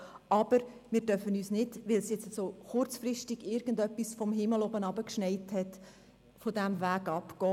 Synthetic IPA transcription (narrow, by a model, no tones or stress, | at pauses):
ɑb̥əɾ | mɪːɾtœfənyːsnɪd̥ʋɪlsjɛt͡sasoːχʊrt͡sfrɪʃtɪɡɪɾɡ̥əndœpːisfɔmɦɪməlobənɑbəkʃnɛɪthɛt | fodæmvæːɡɑpkɔː